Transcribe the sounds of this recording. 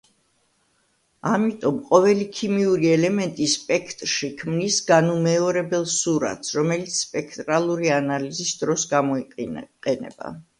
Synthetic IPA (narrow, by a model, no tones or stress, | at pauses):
amit̪ʼɔmqʼɔvɛlikʰimiuɾiɛlɛmɛnt̪ʼispʼɛkʰt̪ʼɾʃikʰmnisɡanumɛɔɾɛbɛlˠsuɾa̰t̪sɾɔmɛlit̪sʰspʼɛkʰt̪ʼɾalˠuɾianalizisd̪ɾɔsɡamɔiqʼɛnɛ̰b̥a̰